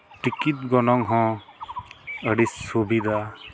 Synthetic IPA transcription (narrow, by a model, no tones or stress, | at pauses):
ʈikit̪̚ɡɔnɔŋɦɔ̃ | əɽisːubid̪a